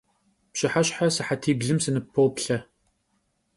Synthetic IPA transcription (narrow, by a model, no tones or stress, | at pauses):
pɕɪħaɕħasɨħatʰiːbɮɨmsɨnɨpʰːowpɬɐ